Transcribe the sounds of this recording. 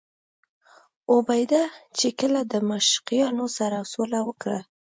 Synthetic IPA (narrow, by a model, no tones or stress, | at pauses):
obajd̪at͡ʃekəlad̪əmaʃqijɑnosaɾasolawəkɽa